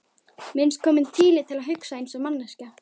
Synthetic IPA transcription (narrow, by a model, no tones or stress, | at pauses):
mɪnskʰɔːmɪnt̪ʰiːlɪt̪ʰɪlaðɦʏksaejnsamanːasca